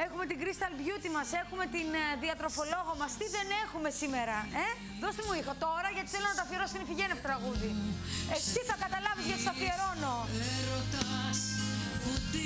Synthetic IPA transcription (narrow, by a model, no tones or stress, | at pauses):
e̞xume̞t̪iŋɡɾist̪ɐlbʝut̪imɐse̞xume̞t̪inðiɐt̪ɾo̞fo̞lo̞ɣomɐst̪iðe̞ne̞xume̞sime̞ɾɐe | ðo̞st̪imuixot̪o̞ɾɐʝɐt̪i̥θelo̞nɐt̪ɐθieɾo̞st̪inifiʝeneɐfot̪ɾɐɣuðiet̪iθɐkɐt̪ɐlɐvizʝɐt̪ist̪ɐθieɾo̞no̞ɾot̪s